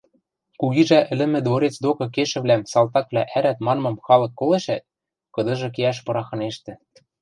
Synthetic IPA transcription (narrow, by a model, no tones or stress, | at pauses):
kuɣiʒæʔɘ̆lɘ̆mɘ̆d̪βoɾet͡sd̪okɤ̆keʃɘ̆βlæmsɑlˠt̪ɑk̚vlʲæʔæɾæt̪mɑnmɤ̆mxɑlɤ̆kːoleʃæt̪̚ | kɤ̆d̪ɤ̆ʒɤ̆k̬eæʃ̬pɤ̆ɾɑxɤ̆neʃt̪ɘ̆